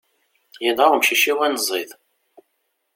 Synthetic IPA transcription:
jinaʁmʃiʃiwænzˤːið

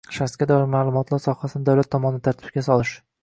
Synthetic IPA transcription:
ʃasɡʲad̪ɒɪɾmalˠʊmɒt̪ʰlaɾsɒhasɪnɪd̪awlat̪ʰːɒmɒnɪd̪ɪt̪ʰɾt̪ʰɪ̥bp̚ɡʲasɒlˠɪʃ

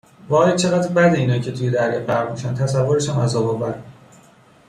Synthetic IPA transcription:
vɒːjæd̪̚t͡ʃʰeɣæd̪bæd̪eiːnɒːcʰe̞t̪ʰujed̪æɾjɒːɢæɾmiʃænt̪ʰæsævːoɾeʃæmæzɒbɒbæd̪

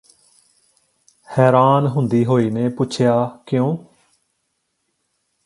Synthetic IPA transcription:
hɛːɾaːnɦʊnd̪iːɦoːiːneːpʊːt͡ʃʰɪjaːkɪjõː

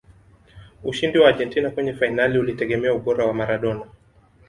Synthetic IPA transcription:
uʃindiwaːʄɛntinakwɛɲɛfainaliulitɛɠɛmɛauɓɔɾawamaɾaɗɔna

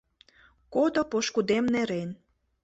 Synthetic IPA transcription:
kod̪opoʃkud̪emneɾen

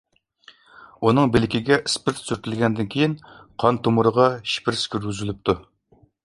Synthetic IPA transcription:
unɨŋbelɪkʲiɡʲɛʔispɪɾt̪syɾt̪ɪlɡʲɛnd̪ɪnkʲʰejinqʰɑnt̪ʰomuɾəʁɑʃi̥pɪɾskʲʰyɾɡʲyzylyp̚t̪ʰu

